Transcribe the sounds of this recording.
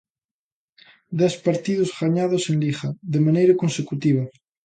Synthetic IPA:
d̪ɛspaɾt̪iðozɣaɲað̞osenlixaðemãnejɾakonsekut̪iβ̞a

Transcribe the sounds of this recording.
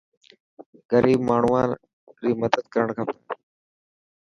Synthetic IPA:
ɡəɾiːbmaːɳ̤uʋaː | ɾiːməd̪əd̪̚kəɾəɳkʰaːpə

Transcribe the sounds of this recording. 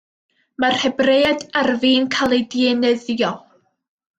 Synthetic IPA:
marhɛbrejadarviːnkʰalˠidiɛnɛðjɔ

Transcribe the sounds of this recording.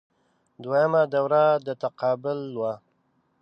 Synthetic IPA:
d̪wajamad̪awɾad̪ət̪aqɑːbɪlːwa

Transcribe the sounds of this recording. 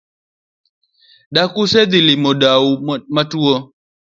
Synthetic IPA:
dakused̪ilimɔdaumatuɔ

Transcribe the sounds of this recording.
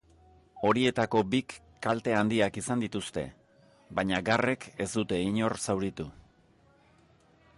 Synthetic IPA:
o̞ɾie̞t̪ako̞bikː | alt̪e̞and̪iakisand̪it̪ust̪e̞̰ | bajɲaɡare̞ke̞zd̪ut̪e̞iɲo̞rsawɾit̪u

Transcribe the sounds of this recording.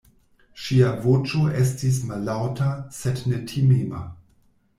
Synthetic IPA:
ʃiavot͡ʃoʔestis̬malːawtasednetʰimema̰

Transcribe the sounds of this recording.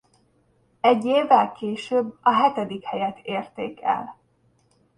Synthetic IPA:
ɛɟːeːvːɛlkeːʃøːbːɒɦɛt̪ɛd̪ikhɛjɛt̪ʰeːrt̪eːkɛ̰l

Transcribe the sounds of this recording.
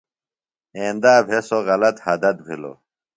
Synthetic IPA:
ẽːnd̪aːbʱesoɣɐlɐt̪hɐd̪ɐt̪̚bʱḭlo̰

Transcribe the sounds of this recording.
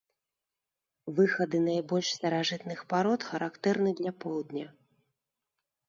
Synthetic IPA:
vɨxɐd̪ɨnajbɔlʲʂst̪ɐɾaʐɨt̪nɨxpaɾɔt̪xɐɾakt̪ɛrnɨd̪lʲɐpɔwd̪nʲɐ

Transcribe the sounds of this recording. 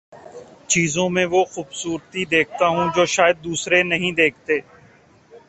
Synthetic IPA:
t͡ʃiːzõmẽʋoːxuːbsuːɾt̪id̪eːk̚ʰt̪aːɦũd͡ʒoːʃaːjəd̪̚ːuːsɾenəɦĩd̪eːk̚ʰt̪eː

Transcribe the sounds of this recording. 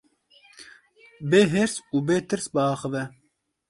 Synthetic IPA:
beːɦeɾsuːbeːt̪ɨɾsbəɑːxəvɛ

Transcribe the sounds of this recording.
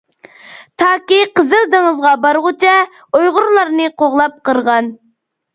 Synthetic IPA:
t̪ʰɑːkʲiqəzɨlˠd̪ɨŋəzʁɑbɑɾʁʊt͡ʃʰɛ | ojʁʊɾlˠɑɾnɨqʰoʁlˠɑp̚qəɾʁɑn

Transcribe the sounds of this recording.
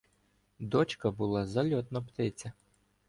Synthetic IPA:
d̪ɔt͡ʃkɐbʊlˠɑzɐlʲɔt̪nɐpt̪ɪt͡sʲɐ

